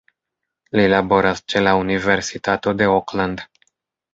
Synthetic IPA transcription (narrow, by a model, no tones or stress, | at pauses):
lilaboɾast͡ʃelauniveɾsit̪at̪od̪eokland̪